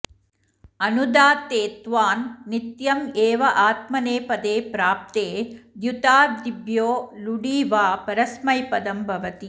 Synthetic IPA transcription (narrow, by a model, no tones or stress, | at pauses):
ɐnud̪aːt̪eːt̪ʋaːnːit̪jɐmeːʋɐʔaːt̪mɐneːpɐd̪eːpɾaːp̚t̪eːd̪jut̪aːd̪ibʱjoːluɽiːʋaːpɐɾɐsmɐjpɐd̪ɐmbʱɐʋɐt̪i